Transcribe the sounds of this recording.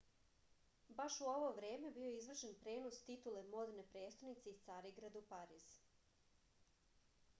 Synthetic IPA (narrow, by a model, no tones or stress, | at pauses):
baʃuo̞ʋo̞ʋɾe̞ːmebioizʋr̩ʃenpɾe̞ːnost̪it̪ule̞mod̪nepɾe̞ːst̪anit̪se̞ist̪saɾiɡɾad̪upaɾiːz̥